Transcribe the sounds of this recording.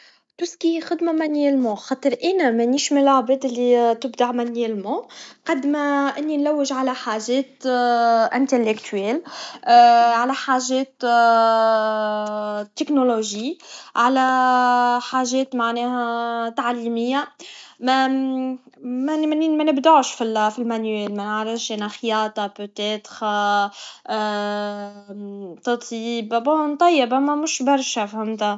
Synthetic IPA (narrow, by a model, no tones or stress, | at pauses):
t̪uskixɪd̪mamænɛlmɑ̃ːxɑːt̪ˤəɾʔɛːnæmæniːʃmɪnlaʕbɛːd̪ɪlːit̪ɪbd̪aʕmænɛlmɑ̃ːqɑd̪mæʔɪnːinlæwːɪʒʕalæħaːʒɛːt̪ | ʔɪnt̪elːɪkt̪ʰɛːl | ʕalæħaːʒɛːt̪ | t̪ːɪknoloʒiːʕalæ | ħaʒɛːt̪maʕnɛːhæt̪aʕlimɪjːamæ | mmnmænɪbd̪aʕʃfilfilmænɛːlmænəʕɾəfʃʔænæxjɑːt̪ˤɑpøt̪ɛːt̪ʁ | t̪ˤɑt̪ˤjiːbbont̪ˤːɑjːɪbamæmʊʃbɑɾˤʃafhamt̪a